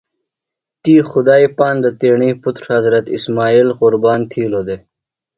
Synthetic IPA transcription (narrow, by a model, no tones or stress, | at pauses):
t̪iːxʊd̪aːipaːnd̪ət̪eːɳiːpʊt̪ɾhɐzɾɐt̪ismaːiːlqʊɾbaːnt̪ʰiːloːd̪e